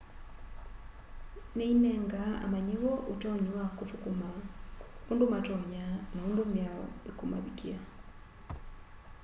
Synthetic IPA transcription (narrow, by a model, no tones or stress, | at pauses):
nɛinɛŋɡaa̰maɲewɔʔutɔɲwakufukuma | undumatɔɲanaundumjaɔ̰ekuma̰βikia